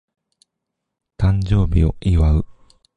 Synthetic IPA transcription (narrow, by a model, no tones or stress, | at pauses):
t̪ãɲd͡ʑo̞ːbʲio̞ʔiβaɯ̟